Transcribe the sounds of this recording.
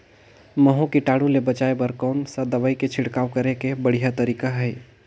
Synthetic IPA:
məɦõkiʈaːɽulebət͡ʃaːebəɾkɔːnsad̪ɐbaːiket͡ʃʰɪɽkaːwkəɾekebəɽ̤ijat̪əɾiːkaɦɛɛ

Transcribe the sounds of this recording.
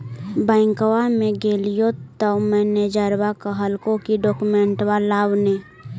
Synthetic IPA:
bɛ̃ːŋkwamẽɡeːlijot̪əwmɛ̃ːned͡ʒəɾwakaɦəlkõkiɖɔːkumẽɳʈwalaːwne

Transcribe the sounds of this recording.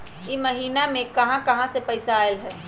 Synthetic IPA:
iːməɦiːnamẽkɐɦãkɐɦãsepəɪsaːelɦɛː

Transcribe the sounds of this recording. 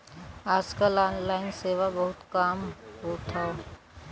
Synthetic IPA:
aːd͡ʒkalaːnlaːɪnseːʋabɐɦʊt̪kaːmɦot̪ʰao

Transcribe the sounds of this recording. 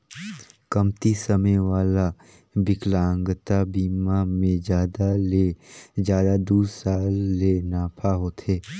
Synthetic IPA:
kəmt̪isəmeʋaːla | bɪklãːŋɡt̪abiːmamẽd͡ʒjaːd̪aled͡ʒjaːd̪ad̪uːd̪saːlːenaːpʰaɦoːt̪ʰeː

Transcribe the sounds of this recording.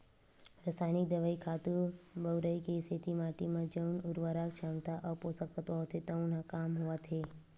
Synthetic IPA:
ɾəsaːjnɪk̚d̪əʋaːikʰaːt̪uɾbəwɾəikeset̪imãːʈimãd͡ʒənʊɾʋaɾaːkt͡ʃʰãːmt̪aʔɔpoːsəkət̪ɔːt̪ʰet̪əũnãkaːmɦʊʋat̪ʰe

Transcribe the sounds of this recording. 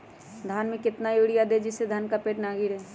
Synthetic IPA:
d̪ʱaːnmẽkɪt̪najoɽijad̪ed͡ʒɪsːed̪ʱaːnkapeːʈnaːɡɪɾɦɛː

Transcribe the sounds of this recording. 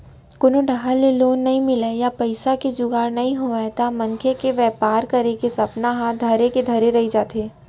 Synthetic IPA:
kʊnoɖʱaɦaleloːnːɐɦĩmɪlejapɐɪsaked͡ʒʊɡaːɾnɐɦĩɦoat̪amɐŋkʰekeʋɛːpaːɾkɐɾekesɐpnaɦãd̪ʱɐɾeked̪ʱɐɾeɾɐɦid͡ʒaːt̪eː

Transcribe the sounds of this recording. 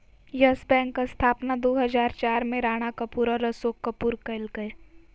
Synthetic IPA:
jɐsbɛ̃ːŋkːast̪ʰaːpnad̪oːɦɐzaːɾt͡ʃaːɾmẽɾaːɽ̃akɐpuːɾaɾɐsoːkːɐpuːɾkɐɪlɡəe

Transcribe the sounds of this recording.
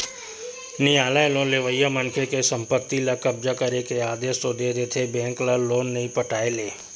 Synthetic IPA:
nɪjaːlaelõːleʋəjamənkʰekesə̃mpət̪ːilakɐbzakəɾekeaːd̪eːst̪od̪eːd̪eːt̪ʰebɛ̃ːŋklaloːnːɐĩpəʈaːeleː

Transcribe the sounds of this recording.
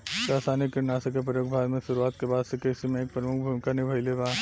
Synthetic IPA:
kaːsaːnikːɪɾnaːsəkːep̬ɾəjoːɡ̚bʱaːd̪mẽʃʊɾuaːt̪kebaːd̪sekeɪsimẽeːk̚pɾɐmʊkʰbʱumɪkanɪbʱɐjlebaː

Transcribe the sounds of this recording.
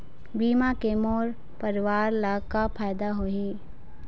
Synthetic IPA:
biːmakemoːɾ | pəɾɪʋaːɾlaɡkapʰaːjd̪aɦoːiː

